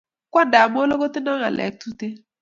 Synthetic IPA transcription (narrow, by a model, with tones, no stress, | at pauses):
kʷa˦nda˨m˦o˦lo˦ko˦tɪ˦na˦ŋa̰˨lɛ̰˨˦k̚tu˦te˦